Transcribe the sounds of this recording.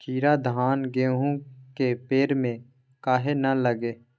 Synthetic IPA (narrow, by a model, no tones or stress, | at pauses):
kʰiːɾad̪ʱaːnɡeːɦũkepeːɾmẽ | kaːɦenɐləɡeː